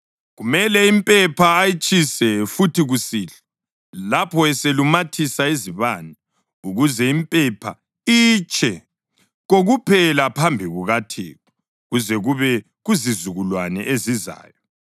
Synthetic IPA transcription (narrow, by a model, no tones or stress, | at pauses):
ɣumɛlɛimpʼɛpʰaːjit͡ʃʼisɛfutiɣusiːɬɛ | lapʰɔɛselumatʰisaiziβanɛ | uɣuzɛimpʼɛpʰa | it͡ʃʰʼɛ | ɣoɣupʰɛlapʰambʱiɣuɣatʰḛːku | ɣuzɛɣuβɛ | ɣuzizuɣulwanɛ̰ʔeziza̰ːjɔ